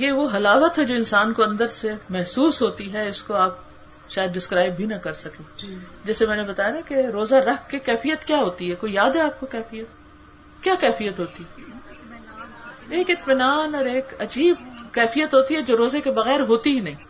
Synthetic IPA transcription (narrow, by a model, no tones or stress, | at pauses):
jeʋoɦɐlaːʋət̪ɦɛd͡ʒoːɪ̃nsaːnkoɐ̃nd̪əɾsemɛɦsuːsɦoːt̪iɦɛɪskoaːp̚ | ʃaːjəd̪ɖɪskɾaːɪbʱinɐkɐɾsɐkiːd͡ʒɛːsemɛ̃ːnebɐt̪aːjanakeɾoːzaɾɐkkːekɛːfijət̪kjaːɦoːt̪iɦɛkoːijaːd̪ɦɛaːp̚kokɛːfijət̪ | kjaːkɛːfijət̪ɦoːt̪iɦɛ | eːkɪt̪mɪnaːnɔːɾeːkɐd͡ʒiːb̚kɛːfijət̪ɦoːt̪iɦɛd͡ʒoːɾoːzekebɐɣɛːɾɦoːt̪iɦinɐɦĩː